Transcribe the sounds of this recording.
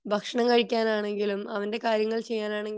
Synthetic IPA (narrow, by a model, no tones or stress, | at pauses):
bʱɐkʂɐɳɐmkɐɻikʲːaːnaːɳe̞ŋɡilumɐʋɐnde̞kaːɾjɐŋːɐɭt͡ɕe̞jːaːnaːɳeŋɡ